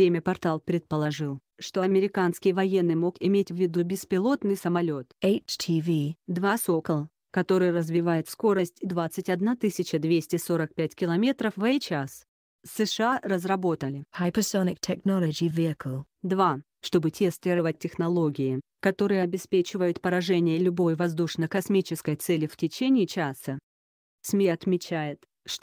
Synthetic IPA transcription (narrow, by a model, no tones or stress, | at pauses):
ɾʲemʲəpɐrt̪alˠpɾʲɪt̪̚pəlˠɐʐɨlˠ | ʂt̪o̞ɐmʲɪɾʲɪkanskʲɪjvɐje̞nːɨjmo̞kɪmʲetʲvʲɪd̪ubʲɪspʲɪlˠo̞t̪nɨjsəmɐlʲo̞t̪eɪt͡ʃtʰivid̪vaso̞kəlˠ | kɐt̪o̞ɾɨjrəzvʲɪvajɪt̪sko̞ɾəsʲtʲɪd̪vat̪sɨtʲɐd̪nat̪ɨsʲɪt͡ɕəd̪vʲesʲtʲɪso̞ɾək̚pʲætʲkʲɪlˠɐmʲe̞t̪ɾəfvet͡ɕas | sːɨʂɨarəzrɐbo̞t̪əlʲɪhajpəsonɪk̚tʰɛknɔlˠəd͡ʒivʲiəkʰəlˠ | d̪va | ʂt̪o̞bɨtʲest̪ɪɾɨvət̚ʲtʲːɪxnɐlˠo̞ɡʲɪɪ | kɐt̪o̞ɾɨjəɐbʲɪspʲet͡ɕɪvəjʊt̪pəɾɐʐɛnʲɪjəlʲʊbo̞jvɐzd̪uʂnəkɐsmʲit͡ɕɪskəjt̪sɛlʲɪftʲɪt͡ɕenʲɪːɪt͡ɕasə | smʲiɐt̪mʲɪt͡ɕæjɪt̪ | ʂt̪